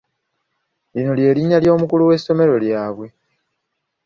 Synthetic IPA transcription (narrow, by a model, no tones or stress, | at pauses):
lino̞lje̞ːliɲaljo̞ːmukuluwe̞so̞me̞ɾo̞ljaːβwe̞